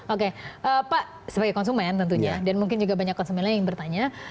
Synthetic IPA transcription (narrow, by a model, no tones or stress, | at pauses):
okeʔəːpaʔ | səbaɡajkɔnsumɛnt̪ənt̪uɲɲadanmuŋkɪnd͡ʒuɡabaɲakːɔnsumɛnlaɲajaŋbərt̪aɲa